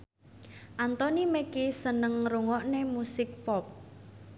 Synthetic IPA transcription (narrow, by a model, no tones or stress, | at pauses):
ʔant̪ɔnimekisənəŋruŋɔʔnemusɪk̚pɔp̚